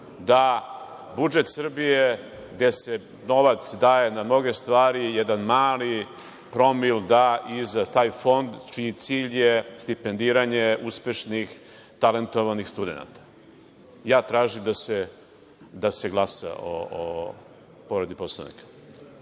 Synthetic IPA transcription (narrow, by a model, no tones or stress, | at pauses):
d̪a | bud͡ʒet̪sr̩bije̞ | ɡd̪ese | no̞ʋat̪sd̪aːje̞namno̞ɡe̞st̪ʋaːɾijɛd̪anmaːli | pɾo̞mild̪aʔizat̪aːjfo̞nd̪t͡ʃiit̪siːʎjest̪ipend̪iːɾaɲe̞uspe̞ʃnix | t̪ale̞nt̪o̞ʋanixst̪ud̪ḛna̰t̪ḁ | jaːt̪ɾaːʒimd̪ase | d̪aseɡlˠasa̰o̰o̰ | poɾed̪iposlˠa̰ʋnḭkḁ